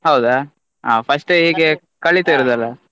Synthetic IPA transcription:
ɦɐwd̪a | ɦaːpʰɐsʈɦiːɡe | kɐɭːit̪ɐiɾod̪ɐlːɐ

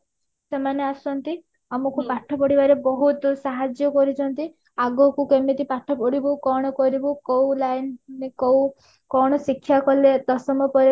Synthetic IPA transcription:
semaneasɔnt̪i | amɔkupaʈʰɔpɔɽibaɾebɔɦut̪saɦad͡ʒjɔkɔɾit͡ʃʰɔnt̪i | aɡɔkukemet̪ipaʈʰɔpɔɽibukɔɽ̃ɔkɔɾibukɔwlajnnekɔw | kɔɽ̃ɔsikʰːjakɔled̪ɔsɔmɔpɔɾi

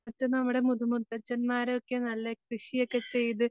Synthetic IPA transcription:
ɐt̪ːɨnɐmːuɽe̞mud̪umut̪ːɐt͡ɕːɐnmaːɾeokːenɐlːekrɨʂijokːe̞t͡ɕe̞jt̪ɨ

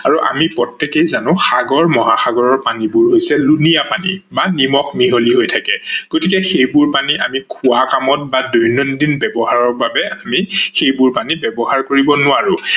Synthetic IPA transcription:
aɹuʔa̰mipɹɔtːɛkejzanʊ̃xaɡɔɹmɔɦaxaɡɔɹɔɹpanibʊɹɦojsɛlunijapanḭbanimɔxmiɦoliɦojtʰakɛɡ̥otikɛxejbʊɹpaniʔamikʰʊwakamɔt̚badɔjnɔndinbɛbɔɦaɹɔɹbabɛamixejbʊɹpanibɛbɔɦaɹkoɹibɔnʊwaɹʊ

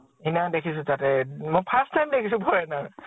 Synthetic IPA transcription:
inadekʰisʊ̃tatɛmojpʰastːajmdekʰisʊ̃pɔɹɛna

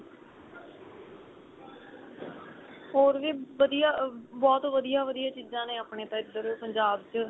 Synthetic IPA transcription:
ɦoːɾʋiːʋəd̪ijaːbɔːt̪ʋəd̪ijaːʋəd̪ijaːt͡ʃiːzãːnẽːaːpɳeːt̪ãːɪd̪ːəɾoːpəɲd͡ʒaːbt͡ʃ

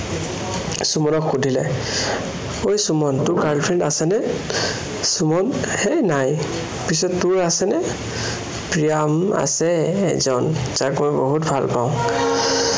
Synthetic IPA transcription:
sumɔnɔkxudʱilɛ̰ | ojsumɔntʊɹɡaɹdpʰɹɛndasɛnɛ | sumɔnhɛnaj | pis̬ɔttʊɹasɛnɛ | pɹijama̰sɛ̰ːzɔnzakmɔjboɦutbʱalpaʊ̃

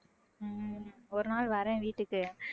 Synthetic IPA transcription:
ɔɾɯnaːɭʋɐɾɛ̃ʋiːʈːɯkːɯ

